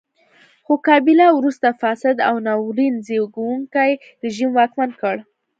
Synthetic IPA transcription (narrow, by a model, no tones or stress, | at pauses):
xokɑbɪlawɾust̪afɑsɪd̪a̰wnɑwɾinzewɡawuŋkaj | ɾɪʒimwɑkmankəɽ